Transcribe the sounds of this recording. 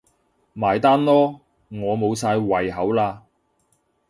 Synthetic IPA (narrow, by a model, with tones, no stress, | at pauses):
maː˨˩jt̪aː˥nlɔː˥ | ŋɔː˨˧mo˨˧wsaː˧jwɐ˨˩jɦɐ˨˥wlaː˧